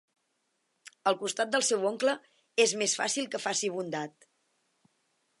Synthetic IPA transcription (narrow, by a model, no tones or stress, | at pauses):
əlˠkust̪at̪̚d̪əlˠsɛwoŋklə | ezmesfa̰silˠkəfasiβund̪at̪̚